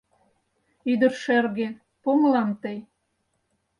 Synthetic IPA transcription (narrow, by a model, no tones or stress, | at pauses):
yd̪ə̆rʃerɣe | pomlɑmt̪əj